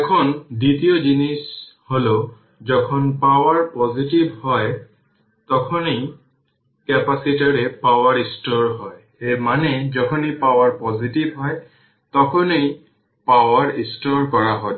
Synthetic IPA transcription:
ɛkʰɔnditijɔzinisholo | zɔkʰɔnpawaɹpɔzitibʱhɔj | tɔkʰɔnej | kɛpasitaɹɛpawaɹistɔɹɦɔj | ejmanɛzɔkʰɔnipawaɹpɔzitibʱɦɔj | tɔkʰɔnej | pawaɹistɔɹkɔɹaɦɔ

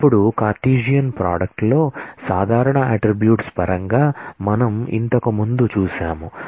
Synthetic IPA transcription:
pːuɽukaːɾʈiːd͡ʒijɐnpɾa̰ːɖɐk̚ʈlo̞ːsaːd̪ʱaːɾɐɳɐɐːʈɾibjuːʈspɐɾɐŋɡaːmɐnɐmḭnt̪ɐkɐmund̪ut͡ʃuːʃaːmu

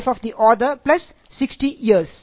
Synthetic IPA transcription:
fɔfd̪iʔɔdəplɐsː | ɪksʈijiəɾs

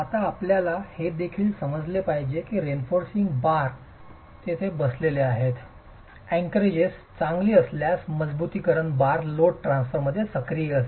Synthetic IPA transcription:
at̪aːpljalahed̪ekʰiːlsəməd͡zlepaɦid͡ʑekiɾenfoɾsiŋɡbaɾ | t̪et̪ʰebəsleleaɦet̪ | ɛ̃ŋkɾed͡ʑest͡sãŋɡliːəsljasməd͡zbut̪iːkəɾəɳbaɾloʈʈɾãnsfəɾməd̪ʱːjesəkɾijeəs

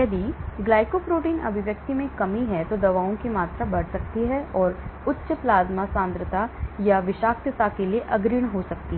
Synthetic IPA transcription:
jɐd̪ʱiɡlaːɪkopɾoːʈiːnɐ̰bʱɪʋjɐk̚t̪imẽkɐmiɦɛt̪od̪ɐʋaːõkimaːt̪ɾabɐɽ̤sɐk̚t̪iɦɛɔːɾʊtːʃəplaːzmasãːnd̪ɾət̪ajaʋɪʃaːk̚t̪ət̪akelieʔɐɡɾiːɽ̃ɦosɐk̚t̪iɦ

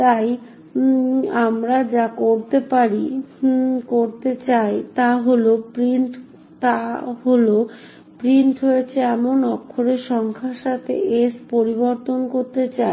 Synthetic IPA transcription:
t̪aj | amɾad͡ʑakoɾt̪epaɾi | koɾt̪et͡ɕajt̪aɦolopɾiɳʈ | t̪aɦolo | pɾiɳʈɦojet͡ɕʰeɛmonɔkʰːoɾeʃɔŋkʰaʃat̪ʰḛʔespoɾiβoɾt̪onkoɾt̪et͡ɕae

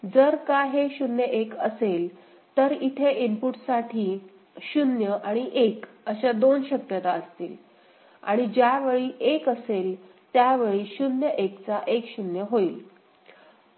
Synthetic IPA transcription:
d͡zəɾkaɦeɕunjəʔekəsel | t̪əɾit̪ʰeʔimpuʈsaʈʰiː | ɕunjəʔaɽ̃iʔek | əɕad̪onɕəkjət̪aəst̪ḭːl | a̰ɽ̃id͡ʑjaʋeɭiːʔekəsel | t̪jaʋeɭiːɕunjəʔekt͡saʔekɕunjəɦoiːl

